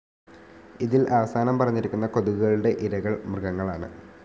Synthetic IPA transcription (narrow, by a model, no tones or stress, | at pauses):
iðilʔaʋɐsaːnɐmpɐrɐɲːiɾikʲːunːɐko̞ðuɣuɣɐɭuɽe̞ʔiɾɐɣɐɭmrɨɣɐŋːɐɭaːɳɨ̰